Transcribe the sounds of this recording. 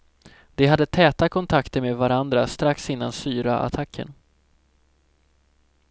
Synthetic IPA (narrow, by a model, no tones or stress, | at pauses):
d̪̥ɛɦad̪ːət̪ʰɛːt̪akʰɔnt̪ʰakt̪əɾmeːd̪vaɾand̪ɾast̪ɾaksɪn̪ːansyːɾa̰ʔa̰t̪ʰakʰːə̰n